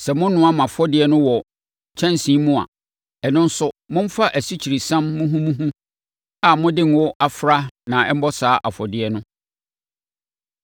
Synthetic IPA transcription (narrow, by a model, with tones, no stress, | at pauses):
sɛ˨mʊ̃˦n˦nʊ̃˦a˦mã˨fɔ˦dɪ˨˦ɛ˦nʊ̃˦wɔ˨ | t͡ɕʰɛ̃˦nsĩ˦mũ˦a̰˨ | ɛ˨nʊ̃˦n̩˦sʊ˦mʊ̃˦m̩˦fa˦ʔæ˨si˦t͡ɕʰi˨ɾi˨sã˦mːʊ̃˦ɦũ˦mũ˦ɦũ˦ | a˨mʊ̃˦dɪ̃˦nwʊ˦ʔa˨fɾa˦nã˨ɛ˦m̩˦bɔ˦saː˨˦ʔa˨fɔ˨dɪ˦ɛ˦nʊ̃˦